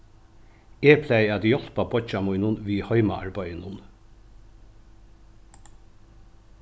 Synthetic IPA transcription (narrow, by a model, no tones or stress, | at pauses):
eːpʰlæɪæːd̪jɔlpɑbɔt͡ʃɑmʊʏnʊnʋiːhœʏmɑ̰ʔɑ̰ɹbœʏənʊn